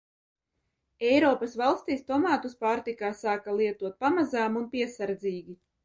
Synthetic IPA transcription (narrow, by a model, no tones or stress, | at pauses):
ɛjɾɔːpasvalˠst̪iːst̪ɔmaːt̪uspaːɾt̪ikaːsaːkalˠiɛt̪uɔt̪̚pamazaːmunpiɛsaɾd̪ziːɡʲi